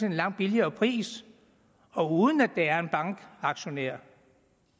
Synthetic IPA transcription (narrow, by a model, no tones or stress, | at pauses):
e̝nlɑ̈ŋ̰d̥̚b̥iliɐːpʰʁḭːs | ɒ̽uːðˠən̩æd̥eæɐe̝nb̥ɑ̈ŋɡ̥ɑ̈ɡ̥ɕo̝neɐ̰